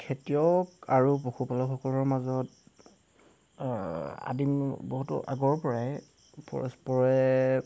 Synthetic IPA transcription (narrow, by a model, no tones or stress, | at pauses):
kʰetijɔkaɹupoxʰupalɔxʰɔkɔlɔɹmazɔt | a̰dimboɦutʊ̰ʔa̰ɡɔɹpɔɹaj | pɔ̰ɹɔ̰spɔɹɛ